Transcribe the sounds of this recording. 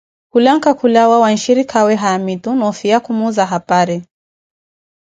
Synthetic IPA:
kulaŋkakulawawanʃiɾikʰawɛɦaamit̪unɔfiakumuzaɦapaɾɛ

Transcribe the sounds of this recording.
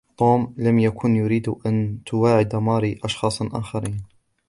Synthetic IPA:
t̪ˤoːmlamjakʰʊnjʊɾiːd̪ʊʔant̪ʰʊwaːʕɪd̪ɑmɑːɾiʔɑʃxɑːsˤʔa̰ːxɑɾiːn

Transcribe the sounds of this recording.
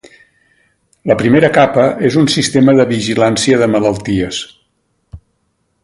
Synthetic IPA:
ləpɾimeɾəkapəʔezunsist̪eməðəβiʒilansiəðəmələlˠt̪iəs

